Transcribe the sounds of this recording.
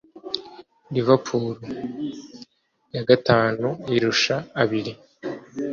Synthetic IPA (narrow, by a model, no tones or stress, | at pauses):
ɾivapʰuːɾu | jaɡataːnuiɾuʃaːβiɾi